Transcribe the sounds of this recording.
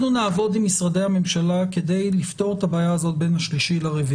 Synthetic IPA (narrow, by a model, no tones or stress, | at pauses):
nunaːvo̞dimːisʁade̞jhame̞mʃalaked̪e̞jlift̪o̞ʁet̪abaːjaːzo̞t̪̚be̞nhaʃliʃilaʁevi